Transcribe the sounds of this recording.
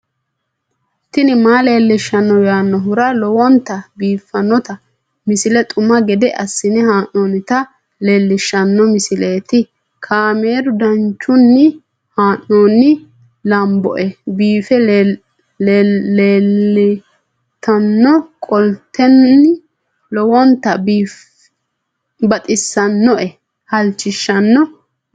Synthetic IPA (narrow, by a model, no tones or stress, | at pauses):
t̪ːɪnɪmaːle̞ːlːɪʃːɐnːɔwjaːnːɔɦʊɾɐlɔwɔnt̪ːɐbiːfːɐnːɔt̪ɐ | mɪsɪlɛt̪ʼʊmɐɡɛd̪ɛʔɐsːɪnɛhaːnːoːnɪt̪ɐ | leːlːɪʃːɐnːɔmɪsɪleːt̪ɪ | kʰaːme̞ːd̪ʊd̪ɐnt͡ʃːʊnːɪ | haːnːoːnːɪ | lɐmbɔ̰ʔɛbiːfɛ | eːlɪ | t̪ʰɐnːɔkʼɔlt̪ʰːɛnːɪ | lɔwɔnt̪ːɐbiːf | bɐt̪ʼɪsːɐnːɔʔɛ | hɐlt͡ʃːɪʃːɐnːɔ